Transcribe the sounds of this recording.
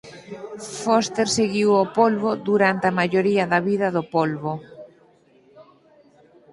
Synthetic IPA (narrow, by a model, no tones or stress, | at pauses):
fost̪eɾseɣiwopolβoðuɾant̪amaʎoɾiɐðɐβiðɐðʊpolβo